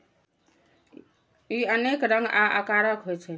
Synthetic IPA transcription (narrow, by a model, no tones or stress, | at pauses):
iənekɾəŋɡaʔə̰kaɾəkɦojt͡ʃʰɛ